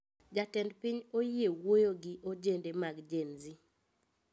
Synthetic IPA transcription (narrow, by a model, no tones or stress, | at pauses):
d͡ʒatɛndpɪɲojewojoɡɪʔod͡ʒendemaɡd͡ʒenzi